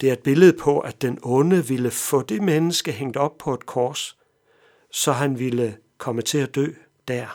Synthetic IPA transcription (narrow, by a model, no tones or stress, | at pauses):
d̥e̝æɐe̝d̥̚b̥e̝ləð̞̩ˠpʰɒ̽ʔæd̥enɔ̽nəʋiləfɔ̰̽ːd̥e̝menəsɡ̥əɦeŋ̰d̥ɒ̽b̥̚pʰɒ̽e̝d̥̚kʰɒːs | sɒ̽ɦænʋilə | kʰɒ̽mət͡sʰe̝æd̥ø̰ː | d̥æɐ̰